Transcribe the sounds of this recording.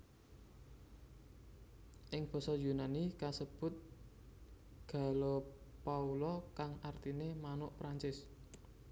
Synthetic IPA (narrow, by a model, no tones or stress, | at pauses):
ʔɪŋb̥ɔ̤sɔjunanikasəb̥ʊ̤t̪̚ | ɡ̥a̤lopaulɔkaŋart̪inemanʊʔpɾaɲt͡ʃɪs